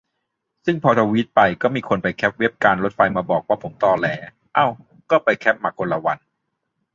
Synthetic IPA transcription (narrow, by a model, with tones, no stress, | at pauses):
sɯ˥˩ŋpʰɔː˧t̪ʰa˧wi˦˥t̪̚pa˧jkɔː˥˩miː˧kʰo˧npa˧jkʰɛ˦˥p̚we˦˥p̚kaː˧nɾo˦˥t̪̚fa˧jmaː˧bɔː˨˩k̚waː˥˩pʰo˩˦mt̪ɔː˧˩lɛː˨˥ | ʔa˧˩w | kɔː˥˩pa˧jkʰɛ˦˥p̚maː˧˩kːo˧nla˧wa˧n